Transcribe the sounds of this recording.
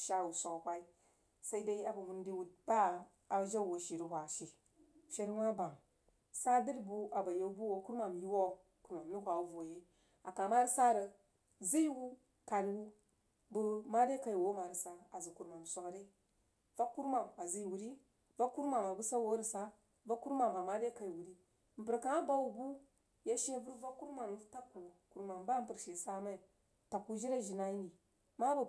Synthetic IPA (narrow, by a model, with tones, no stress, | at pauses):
ʃa˦wu˨sʷo˨kkʷa˦i˦ | sa˦i˦da˦i˦a˨ba˨mu˨ndi˦wu˨t̚ba˦ | a˨ʒa˦˨wo˨ʃi˨ɾi˨hʷa˨ʃi˨ | ʃe˦ɾwa˦ba˨ŋ | sa˦də˦ɾbu˦a˨ba˨je˦u˦bu˦wo˨ku˦ɾma˨mji˦wo˦ | ku˨ɾma˨mni˦kʷa˨u˦vo˨je˦ | a˨ka˨ma˦ɾi˦sa˦ɾə˨ | zi˦jwu˦ | ka˨ɾwu˦ | bu˦ma˦ɾe˦ka˨i˨wo˦ma˨ɾi˨sa˦a˨zə˨ku˨ɾma˨m˨sʷa˦kɾe˦ | va˦kːu˦ɾma˨ma˨zi˦jwu˨ɾi˦ | va˦ku˦ɾma˨ma˨bu˦sa˦wo˦ɾi˨sa˦ | va˦ku˦ɾma˨mba˨ma˦le˦ka˨i˨wu˨ɾi˦ | m̩˨pə˨ɾka˨a˦ba˦wu˨bu˦ | ja˦ʃi˦vu˦ɾva˦ku˦ɾma˨n˨˦ta˦kːu˨ku˨ɾma˨mba˦pə˨ɾʃe˨sa˦ma˦i˨ | ta˨kːu˦d͡ʒi˦ɾa˦ʒi˨na˦i˦ni˨ | ma˦bu˨